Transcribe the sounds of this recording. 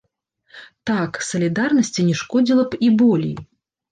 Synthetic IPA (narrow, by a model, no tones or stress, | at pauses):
t̪aksɐlʲid̪arnɐsʲt͡sʲinʲɛʂkɔd͡zʲilˠɐpibɔlʲḛj